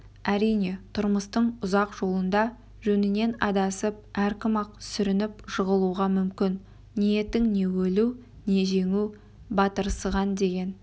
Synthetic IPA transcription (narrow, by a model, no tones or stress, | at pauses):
æɾijne̞t̪ʰʊɾməst̪əɴʊzɑqʒ̥o̞lˠənd̪ɑ | ʒɵnɪne̞nɑd̪ɑsəp̚æɾkʲɪmɑq̚sʏɾɪnɪpʒəʁəlˠuʁɑmʏmkʲɪn | nije̞t̪ːɪŋne̞wɵluw | ne̞ʒe̞ŋu | bɑt̪əɾsəʁɑnd̪e̞ɡʲe̞n